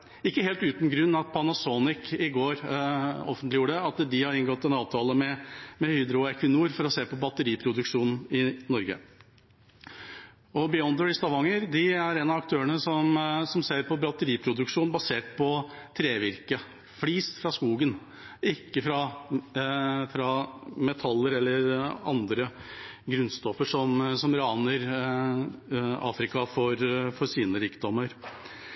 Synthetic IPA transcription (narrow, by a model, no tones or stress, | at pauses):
ɪkːəheːlt̪ʉːt̪n̩ɡɾʉnːɑt̪pʰɔɑnɑsoːnɪkɪɡoːɾɔ̰fənt̪lɪjuːəɖ̪ɛɑt̪d̪ɪhɑɾɪŋɡɔt̪ːɛnɑːʋt̪ʰɑːləmɛmɛhyːd̪ɾʊɛkʰʉnuːɾfɔɾɔseːpɔbɑt̪ːəɾiːpʰɾʊd̪ʉkʂuːnn̩ɪnɔɾɡə̰ | ɔbɪɔnd̪əɹɪst̪ɑʋɑŋːəɾd̪ɪæɾɛnɑʋɑk̚t̪ʰøːəɳəsɔmsɔmseːɾpɔbɾɑt̪ːəɾiːpʰɾʊd̪ʉkʂuːnbɑseːʈ̚pʰɔt̪ʰɾeːʋɪɾkə | fliːsfɾɑskuːɡən | ɪkːəfɾɑ | fɾɑmɛt̪ʰɑlːəɾɛlːəɾɑnd̪ɾəɡɾʉnst̪ɔfːəʂɔmsɔmɾɑːnəɾ | ɑ̰ːfɾɪkɑfɔɾfɔɾsiːnəɾiːkd̪ɔmːəɾ